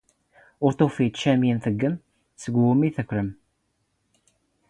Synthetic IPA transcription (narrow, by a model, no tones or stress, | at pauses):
ʊɾt̪ˤofit̪ʃæminθəɡːəm | səɡʷwumiθəkʷːɾəm